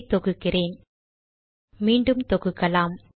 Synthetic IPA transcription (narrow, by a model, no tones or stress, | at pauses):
t̪ɔɣɯkːɪreːn | miːɳɖɯmt̪ɔɣɯkːɐlaːm